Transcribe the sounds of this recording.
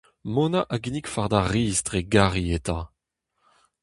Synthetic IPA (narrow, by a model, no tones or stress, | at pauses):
monaʔaɡinikfaʁd̪aʁiːztʁeɡaʁieta